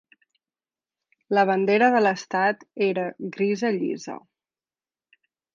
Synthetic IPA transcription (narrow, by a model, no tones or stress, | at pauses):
ləβ̞ənd̪eɾəðələst̪at̪eɾəɣɾizəʎḭzə̰